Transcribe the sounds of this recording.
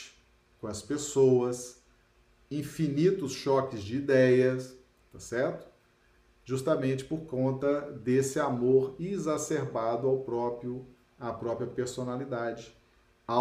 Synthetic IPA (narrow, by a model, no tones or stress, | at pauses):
ɪ̥ | kõɐspesowɐs | ĩfinit̪ʊsʃɔkɪzd͡ʒɪid̪ɛjɐs | t̪asɛɾt̪ʊ̥ | ʒust̪amẽnt͡ʃɪ̥poɾkõnt̪ɐd̪esɪamoɾizaseɾbad̪ʊawpɾɔpʊ | apɾɔpɾiɐpeɾsonalid̪ad͡ʒɪ | a